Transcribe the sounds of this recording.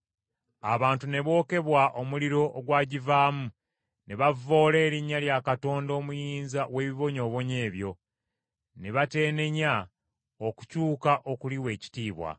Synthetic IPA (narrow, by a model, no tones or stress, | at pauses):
a̰βaːntune̞βo̞ːke̞βwaʔo̞muliɾo̞ʔːɡwaːɟivaːmu | ne̞βavo̞ːle̞ːɾiɲːaljakato̞ːndo̞ːmujiːnzawe̞ːβiβo̞ɲo̞ːβo̞ɲe̞ːβjo̞ | ne̞βate̞ːne̞ɲa | oku̥cuːkaʔo̞kuliwe̞ːci̥tiːβwa̰